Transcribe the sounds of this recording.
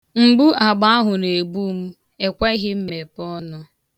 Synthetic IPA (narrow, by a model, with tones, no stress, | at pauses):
ŋ͡m̩˨ɡ͡bu˦a˨ɡ͡ba˦a˦ɦʊ˨ne˨ɡ͡bu˦m̩˦ | e˨kʷe˦ɦɪ˦m̩˦me˨pɔ˦nʊ˦